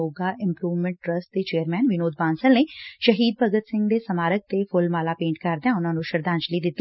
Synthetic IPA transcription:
oːɡaʔɪ̃mpɾuːʋmɛ̃ɳʈ̚ʈɾəsʈd̪et͡ʃeːəɾmɛːnʋɪnoːd̪̚bãːnsəlneʃəɦiːd̪̚bəɡət̪sɪ̃ŋɡd̪esəmaːɾək̚t̪efʰʊlmaːlaːpẽːɳʈ̚kɐɾd̪eãːʊnãːnũʃəɾd̪ãːnt͡ʃəlid̪ɪt̪ːi

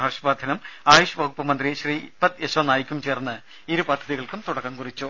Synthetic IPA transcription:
ɐʋʂɐbaːd̪ʱɐnɐmaːjuʂɐbɐɣupːɐmɐnd̪riɕriːpːɐt̪eɕʋɐnaːjikʲːumt͡ɕe̞ːrnːɨ | iɾupɐd̪ʱɐðiɣɐɭkumt̪uɽɐkːɐmkurit͡ɕːu

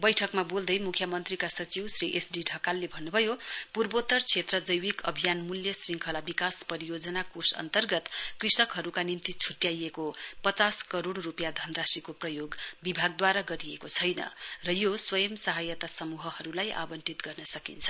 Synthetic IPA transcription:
bʌjʈʰʌkmabold̪ʌjmukʰjʌmʌnt̪rikasʌt͡siwsriʔesɖiɖʱʌkalːebʱʌnːubʱʌjopurbot̪ʌrt͡sʰet̪rʌd͡zʌjwikʌ̰bʱijanmuljʌsriŋkʰʌlabikaspʌɾijod͡zʌnakusʌ̰nt̪ʌrɡʌt̪krisʌkɦʌɾukanimnt̪it͡sʰuʈjajekopʌt͡saskʌɾoɽrupjad̪ʱʌnrasikoprʌjoɡbibʱaɡ̚d̪waɾaɡʌɾiekot͡sʰʌjnʌ̰rʌjoswʌjʌmsʌɦajʌt̪asʌmuɦʌhʌɾulajʔa̰bʌnʈit̪ɡʌrnʌsʌkint͡sʰʌ̥

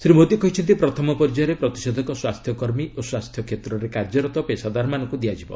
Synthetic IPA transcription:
sɾimod̪jɔkɔɦit͡ʃʰɔnt̪̬ipɾɔt̪ʰɔmɔpɔɾd͡ʒɔjɔɾepɾɔt̪i̥sɔd̪ʱɔkɔswast̪ʰjɔkɔɾmiʔoswast̪ʰjɔkʰet̪ɾɔɾekaɾd͡ʒɔɾɔt̪ɔpesad̪aɾmanɔŋkud̪iad͡ʒibɔ̰

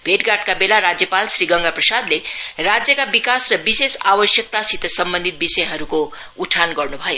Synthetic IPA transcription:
bʱeʈɡaʈkabelaɾad͡zjəpalsɾiɡʌŋɡaprʌsad̪leɾad͡zjəkabikasɾʌbisesawəsjək̚t̪asit̪sʌmbə̃nd̪ʱit̪̚bisʌjɦʌɾuko | uʈʰanɡʌɾnubʱʌjo

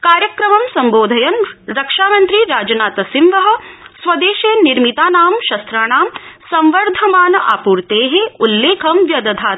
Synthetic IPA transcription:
kaːɾjɐkɾɐmɐmsɐmboːd̪ʱɐjɐnɾɐkʂaːmɐnt̪ɾiɾaːd͡ʒɐnaːt̪ɐsimʋɐɦɐ̆sʋɐd̪eːʃeːniɾmit̪aːnaːmʃɐst̪ɾaːɳaːmsɐ̃mʋɐɾd̪ʱɐmaːnɐʔa̰ːpuːɾt̪eːɦeulːeːkʰɐmʋjɐd̪ɐd̪ʱaːt̪

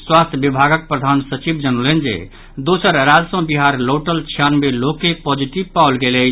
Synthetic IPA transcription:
swast̪ʰjbibʱaɡək̚pɾəd̪ʱansət͡ʃibd͡ʒənolend͡ʒḛ | d̪osəɾɾad͡ʒsə̃biɦaɾloʈəlt͡ʃʰjanmelokːepɔd͡ʒiʈibpaʊlɡelɛ

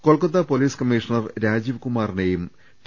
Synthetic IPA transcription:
ko̞ɭkɐt̪̬ːɐpo̞liːskɐmːiʂɐnɐrɾaːd͡ʑiʋkumaːrinejum | t̪

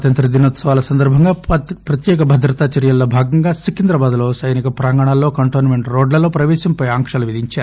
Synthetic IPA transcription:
ɐt̪ɐnt̪ɾɐd̪inoːt̪sɐʋaːlɐsɐnd̪ɐɾbʱɐŋɡaːpɾɐt̪jɛːk̬ɐbʱɐd̪ɾɐt̪aːt͡ʃɐɾjɐlːoːbʱaːɡɐŋɡaːsikind̪ɾɐbaːd̪ulo̞ːsɐjnikɐpɾaːŋɡɐɳ̃aːlːo̞ːkɐɳʈoːnmeɳʈɾoːɖlɐlo̞ːpɾɐʋɛːʃɐmpɐjaːŋkʂɐluʋid̪ʱiɲt͡ʃaːɾu

